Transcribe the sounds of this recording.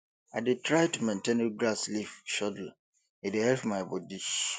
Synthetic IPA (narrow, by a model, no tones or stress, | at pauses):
aɪdetʰɹaɪtumẽntʰẽnɡɾaslifʃɔdl̩ | edehɛlpmajbɔdiʃ